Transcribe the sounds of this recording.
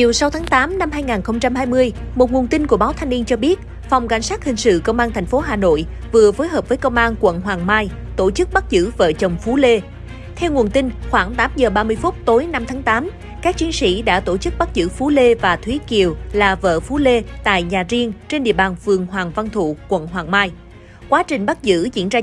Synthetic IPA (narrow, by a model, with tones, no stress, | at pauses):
t͡ɕi˨˩əwsa˨˦wt̪ʰaː˨˦ŋt̪aː˨˦mna˧mhaː˧jŋaː˨˩nxə˧wŋ͡mt͡ɕa˧mɦaː˧jmɨ˧əjmo˨˩t̚ŋu˨˩ənt̪ï˧nku˧˩əɓaː˨˦wt̪ʰjŋ̟ni˧ənt͡ɕɔ˧ɓi˦˥ət̚ | fa˨˩wŋ͡mka̰˧˩jŋ̟saː˦˥t̚hï˨˩ŋ̟sɨ̰˧˨kə˧wŋ͡mʔaː˧nt̪ʰjŋ̟fo˨˦ɦaː˨˩no̰˧˨j | vɨ˨˩əfo˨˦jɦəː˨˩p̚vəː˨˦jkə˧wŋ͡mʔaː˧nkwə̰˧˨nɦwaː˨˩ŋmaː˧j | t̪o˧˩t͡ɕɨ˦˥k̚ɓa˦˥t̚zɨ̰˧˥və̰ː˧˨t͡ɕə˨˩wŋ͡mfu˨˦le˧ | t̪ʰɛ˧wŋu˨˩ənt̪ï˧ŋxwaː˧˩ŋt̪aː˨˦mzəː˨˩ɓaː˧mɨ˧əjfʊ˦˥t̚t̪o˨˦jna˧mt̪ʰaː˨˦ŋt̪aː˨˦m | kaː˦˥k̚t͡ɕi˨˦ənsḭ˧˥ɗa̰ː˧˥t̪o˧˩t͡ɕɨ˦˥k̚ɓa˦˥t̚zɨ̰˧˥fu˨˦le˧vaː˨˩t̪ʰwi˨˦ki˨˩əwlaː˨˩və̰ː˧˨fu˨˦le˧t̪a̰ː˧˨jɲaː˨˩zi˧əŋt͡ɕe˧nɗḭ˧əɓaː˨˩nfɨ˨˩əŋɦwaː˨˩ŋva˧nt̪ʰṵ˧˨kwə̰˧˨nɦwaː˨˩ŋmaː˧j | kwaː˨˦t͡ɕï˨˩ŋ̟ɓa˦˥t̚zɨ̰˧˥zḭ˧˥ənzaː˧